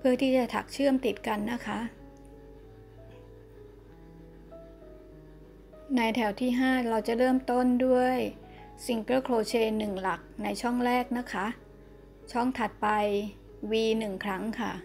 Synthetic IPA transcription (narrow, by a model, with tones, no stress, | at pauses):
pʰɯ˥˩ət̪ʰiː˥˩t͡ɕa˨˩t̪ʰa̰˨˩k̚t͡ɕʰɯ˥˩əmt̪i˨˩t̪̚ka˧nːa˦˥kʰa˦˥ʔ | na˧jt̪ʰɛ˧˩wt̪ʰiː˥˩ɦaː˥˩ɾa˧wt͡ɕa˨˩ɾɤː˥˩mt̪o˥˩ndu˥˩əj | si˧ŋkɤː˥˩kʰloː˧t͡ɕʰeː˧nːɯ˨˩ŋla˨˩k̚na˧jt͡ɕʰɔ˥˩ŋɾɛː˥˩k̚na˦˥kʰːa˦˥ʔ | t͡ɕʰɔ˥˩ŋt̪ʰa˨˩t̪̚pa˧j | wiː˧nɯ˨˩ŋkʰɾa˦˥ŋkʰa˥˩